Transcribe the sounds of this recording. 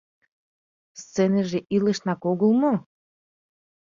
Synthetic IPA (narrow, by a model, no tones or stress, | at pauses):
st̪t͡seneʒeʔileʃnakoɡulˠmo